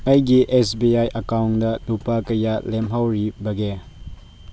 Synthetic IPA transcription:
ɐjɡiʔesbiajʔɐkawndɐdupakɐjalemɦawɾibɐɡe

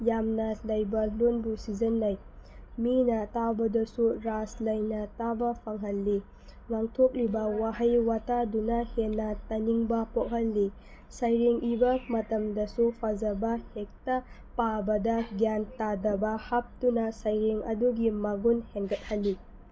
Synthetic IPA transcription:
jamnɐlɐjbɐlonbusizɐnːaj | minɐtabɐdɐsuɾaslɐjnɐtabɐpʰɐŋɦɐlːi | ŋaŋtʰok̚libɐwaɦɐjwatadunɐhenːɐtɐniŋbɐpok̚ɦhɐlːi | sɐjɾeŋʔibɐmɐtɐmdɐsupʰazɐbɐhek̚tɐ | pabɐdɐɡjantadɐbɐhap̚tunɐsɐjɾeŋɐ̰duɡimɐɡunheŋɡɐt̚hɐlːi

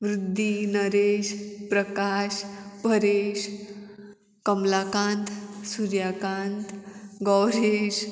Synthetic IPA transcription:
ʋɾɪd̪ʱːinəɾeːʃpɾəkaʃpəɾeʃ | kəmlakãnt̪ʰsuɾjakãnt̪ɡɔwɾeːʃ

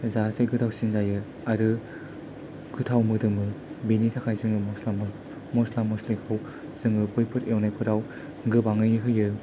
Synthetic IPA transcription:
zasʰejkʰɯtʰawsinzajɯ | aɾɯ | kʰɯtʰawmɯdɯmɯbinitʰakʰajzɯŋɯmɔslam | mɔslamɔslikʰaw | z̥ɯŋɯbɯjpʰɯɾawnajpʰɯɾaw | ɡɯbaŋɯjɯɦɯjɯ

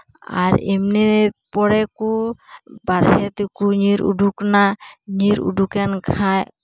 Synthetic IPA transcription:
a̰ɾimnipɔɽɛku | baɾhɛt̪ikuɲiɾṵɖuknaɲiɾṵɖukɛnkʰaj

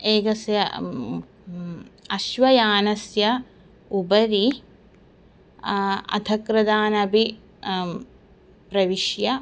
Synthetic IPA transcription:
eːɡɐsjɐ | ɐʃʋɐjaːnɐsjɐ | ubɐɾi | ɐ̰t̪ʰɐkɾɐd̪aːnɐbʱi | pɾɐʋiʃjɐ

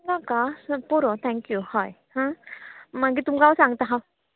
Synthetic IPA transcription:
ɡakaspuɾot̪ʰɛŋkjuhajhã | maɡit̪umɡawsaŋt̪aɦaw

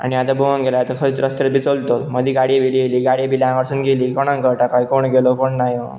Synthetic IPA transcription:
a̰ɽ̃iat̪abuʋaŋɡʱelat̪əkʰəɾit̪ɾəst̪ɾet̪bʱit͡solt̪oməd̪iːɡaɽibilieliːɡaɽiabiljãəɾsuːnɡeliːkɔɽ̃ãŋkəɾʈakajkoɳɡelokoɳnajo

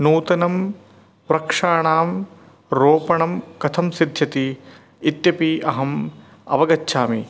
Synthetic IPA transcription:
nuːt̪ɐnɐm | ʋɾɐkʂaːɳaːm | ɾoːpɐɳɐmkɐt̪ʰɐmsid̪ʱjɐt̪i | it̪jɐpiɐɦɐm | ɐ̰ʋɐɡɐtːʃʰaːmi

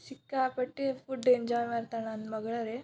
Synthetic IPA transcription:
sikːapəʈːefuɖːeɲd͡ʒɔjmaɾt̪ananmɐɡɭaɾe

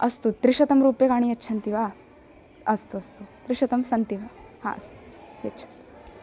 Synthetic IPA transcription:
ɐst̪ut̪ɾiʃɐt̪ɐmɾuːpjɐkaːɳ̃ijɐtːt͡ʃʰɐnt̪iʋaː | ɐst̪uɐst̪ut̪ɾiʃɐt̪ɐmsɐnt̪iʋɐha̰ːɐ̰st̪u̥jɐtːt͡ʃʰɐ̥nt̪i

